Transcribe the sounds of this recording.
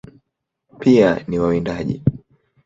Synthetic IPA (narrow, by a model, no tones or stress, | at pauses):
pianiwawindaʄḭ